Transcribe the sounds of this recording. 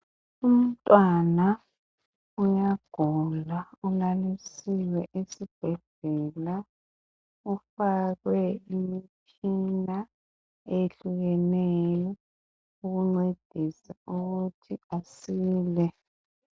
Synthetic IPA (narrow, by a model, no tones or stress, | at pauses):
um̩tʼwana | ujaɡ̥ʱulaulalisiwɛʔesib̥ʱɛɮ̥ɛla | ufaɣwɛimit͡ʃʰʼ | ina | eɬuɣɛnejɔ | uɣuŋ͡ǀed̥ʱisauɣutʰiasiːlɛ